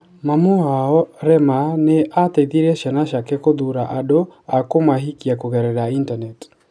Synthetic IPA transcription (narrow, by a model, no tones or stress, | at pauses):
mamoaɔɾɛmaneʔatɛiðiɾɛʃanaʃakɛkoðuɾaʔadoakomaɦikiakoɣɛɾɛɾaintanɛt